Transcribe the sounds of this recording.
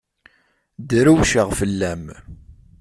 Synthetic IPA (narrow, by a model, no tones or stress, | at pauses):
d̪ɾuwʃəʁfəlːæm